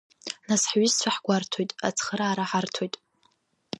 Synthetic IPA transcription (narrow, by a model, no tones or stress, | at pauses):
nasħɥɪzt͡sʷʰaħɡʷartʰojtʼat͡sʰχəɾaːɾaħartʰojtʼ